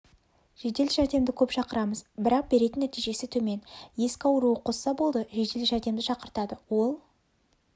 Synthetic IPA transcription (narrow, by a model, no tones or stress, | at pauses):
ʒ̥e̞d̪e̞lʒæɾd̪e̞md̪ɪkʲʰɵpʃɑqəɾɑməzbɪɾɑq̚be̞ɾe̞t̪ɪnːæt̪ijʒe̞sɪt̪ʰɵme̞nje̞skʲɑwəɾuəqʰo̞sːɑbo̞lˠd̪əʒe̞d̪e̞lʒæɾd̪e̞md̪ɪʃɑqəɾt̪ɑd̪əwo̞lˠ